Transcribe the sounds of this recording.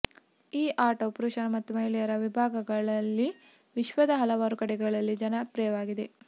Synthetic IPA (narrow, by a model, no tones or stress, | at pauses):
iːʔaːɾʈoːpɾuːʃɐnɐmɐt̪ːumɐɦilijɐɾɐʋibʱaːɡɐɡɐɭɐlːi | ʋiʃʋɐd̪ɐɦɐlɐʋaːɾukɐɽɛɡɐɭɐlːid͡ʒɐnɐpɾɛjɐʋaːɡid̪e̞